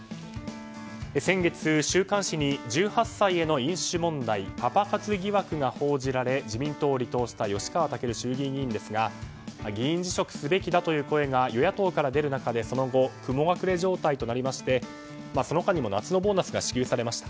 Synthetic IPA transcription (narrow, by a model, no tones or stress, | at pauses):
esẽ̞ŋɡe̞t͡sɨɕɨːkãɰ̃ɕiɲ̟id͡ʑɨːhasːaie̞no̞ĩɰ̃ɕɨmõ̞nd̪aipapakat͡sɨɡʲiβakɯ̟ɡaho̞ːʑiɾaɾe̞d͡ʑimʲĩnt̪o̞ːɾʲit̪o̞ːɕi̥t̪ajo̞ɕi̥kaβat̪ake̞ɾɯ̟ɕɨːɡʲiːɡʲĩːnd̪e̞sɨɡa | ɡʲiĩɲ̟d͡ʑiɕo̞kɯ̟̥sɨbe̞kʲid̪at̪o̞jɯ̟ːko̞e̞ɡajo̞jat̪o̞ːkaɾad̪e̞ɾɯ̟nakad̪e̞so̞no̞ɡo̞kɯ̟mo̞ɡakɯ̟ɾe̞ʑo̞ːt̪ait̪o̞naɾʲimaɕi̥t̪e̞ | maso̞no̞kaɲ̟imo̞nat͡sɨno̞bo̞ːnasɨɡaɕi̥kʲɨːsaɾe̞maɕi̥t̪ḁ